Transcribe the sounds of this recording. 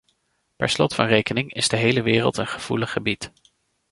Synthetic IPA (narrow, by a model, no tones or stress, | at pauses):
pɛ̰ɹslɔtfɑnrejkənɪŋɪz̥dəɦejləʋɪːrə̰lˠtənχəv̥uləχəbit